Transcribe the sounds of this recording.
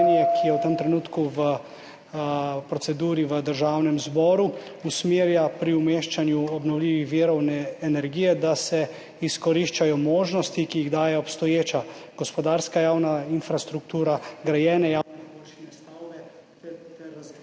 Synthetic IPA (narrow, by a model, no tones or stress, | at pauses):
niɛkʰijɛwt̪əmt̪ɾɛnuːt̪kuʋə | pɾɔtsɛd̪uːɾiʋəd̪əɾʒaːwnɛmzbɔːɾu | usmeːɾjapɾiumeʃt͡ʃanjuɔbnɔwliʋixʋiɾɔwnɛːnɛɾɡijɛd̪asɛ | iskɔɾiʃt͡ʃajɔmoːʒnɔst̪ikijiɣd̪aːjɛɔpst̪ɔjeːt͡ʃaɡ̥ɔspɔd̪aːɾskajaːwnainfɾast̪ɾuk̚t̪uːɾaɡɾajɛːnɛjaɛolʃɛst̪awbɛ